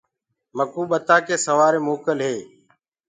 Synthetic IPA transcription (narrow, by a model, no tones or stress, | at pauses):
məkuːɓət̪aːkeːsəʋaːɾeːmoːkəlɦeː